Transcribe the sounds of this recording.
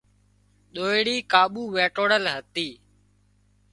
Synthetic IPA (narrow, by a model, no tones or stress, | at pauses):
ɗ̪oːeɽiːkaːɓuːʋeːʈoːɽəlɦət̪iː